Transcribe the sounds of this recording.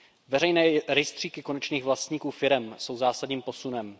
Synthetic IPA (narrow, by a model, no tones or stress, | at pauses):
vɛɾɛjnɛːɾɛjst̪r̝̥iːkɪko̞nɛt͡ʃniːɣvlast̪ɲiːkuːfɪɾɛmso̞wzaːsadɲiːmpo̞sunɛm